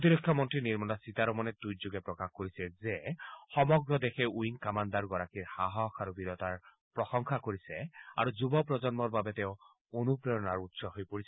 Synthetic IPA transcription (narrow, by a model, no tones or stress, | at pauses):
ot̪̬iɾɔkʰːjɔmɔntɹiniɹmɔnasit̪aɾɔmɔnɛd̪ujzuɡɛpɹɔkaxkoɹisɛzexɔmɔɡɹɔd̪exɛuiŋkamand̪aɹɡɔɹakiɹhaɦɔkʰaɾubiɾɔt̪aɹ | pɹɔsɔŋkʰakoɹisɛa̰ɹuzubɔpɹɔzɔnmɔɹbabɛt̪eʊ | onupɹejɔnaɹutsɔɦojpoɹisɛ